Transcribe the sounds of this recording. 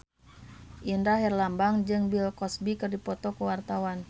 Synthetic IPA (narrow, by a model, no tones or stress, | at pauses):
ʔindaɦɛrlambaŋd͡ʒɨŋbilkɔsbikɨrdipɔt̪ɔkuwart̪awan